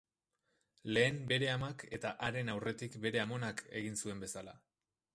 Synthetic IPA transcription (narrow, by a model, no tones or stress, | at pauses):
le̞ːmbe̞ɾe̞amake̞t̪aʔaɾe̞nawre̞t̪ikbe̞ɾe̞amo̞nakʰe̞̰ɣinsue̞mbe̞sala̰